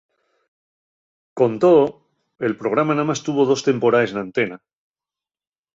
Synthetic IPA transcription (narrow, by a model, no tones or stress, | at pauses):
ko̞nt̪o | e̞lpɾo̞ɣ̞ɾamanamast̪uβo̞ð̞o̞st̪e̞mpo̞ɾaesnãnt̪e̞na